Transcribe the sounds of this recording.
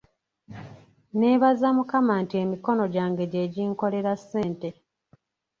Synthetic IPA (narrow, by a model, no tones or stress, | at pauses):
ne̞ːβazamukamaːntie̞ːmiko̞no̞ɟaːŋɡe̞ɟe̞ɟiːŋko̞le̞ɾasːe̞ːnte̞